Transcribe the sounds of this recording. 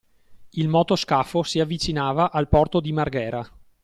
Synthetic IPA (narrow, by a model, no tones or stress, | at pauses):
ilmɔːt̪oskafosiavːit͡ʃinaːvaʔalpɔrt̪od̪imarɡɛːɾa